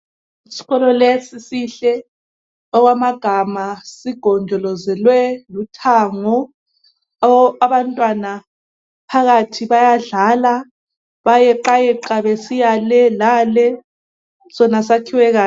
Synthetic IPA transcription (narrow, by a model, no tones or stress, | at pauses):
isi̥ɣɔlɔlesisiɬɛ | ɔɣwamaɡ̥ʱamasiɡ̥ʱɔnd͡ʒʱɔlɔzɛlwɛlutʰaːŋɔ | aβantʼwana | pʰaɣatʰiβajaɮala | βajɛǃajɛǃaβɛsijalɛlalɛ | sɔnas̬akʰiwɛɣaː